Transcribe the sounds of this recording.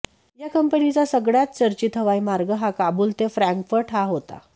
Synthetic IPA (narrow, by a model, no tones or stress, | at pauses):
jakəmpənit͡sasəɡɽjat̪̚t͡səɾt͡ɕiːt̪ɦəʋajmaɾɡəɦakabuːlt̪efɾãŋkfəɾʈɦaɦot̪a̰